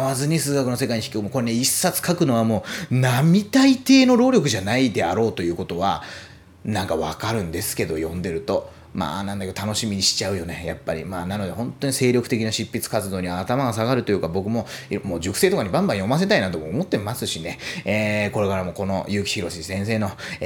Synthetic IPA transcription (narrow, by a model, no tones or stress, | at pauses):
βazɨɲ̟isɨːɡakɯ̟no̞s̬e̞kaiɲiçi̥kʲiomoko̞ɾeneisːat͡sɨ̥kakɯ̟no̞βamo̞ːnamʲit̪ait̪e̞ːno̞ɾo̞ːɾʲokɯ̟ʑanaid̪e̞a̰ɾo̞ːt̪o̞jɯ̟ːko̞t̪o̞βa | nãŋkaβakaɾɯ̟̃nd̪e̞sɨ̥ke̞d̪o̞jõ̞nd̪e̞ɾɯ̟t̪o̞ | ma̰ːnãnd̪akeot̪ano̞ɕimʲiɲ̟iɕi̥t͡ɕaɯ̟jo̞neja̰pːaɾʲḭmaːnano̞d̪ehõ̞nt̪o̞ɲise̞ːɾʲo̞kɯ̟t̪e̞kʲinaɕipːit͡sɨ̥kat͡sɨd̪o̞ːɲ̟iβaːt̪amaɡasaɣaɾɯ̟t̪o̞jɯ̟kabo̞kɯ̟mo̞imoːd͡ʑokɯ̟̥se̞ːt̪o̞kaɲ̟ibãmbãjo̞mas̬e̞t̪ainat̪o̞mo̞ːmo̞t̪ːe̞masɨɕine̞eko̞ɾe̞kaɾamo̞ko̞no̞jɯ̟ːkʲi̥çiɾo̞ɕisẽ̞ɰ̃s̬e̞ːno̞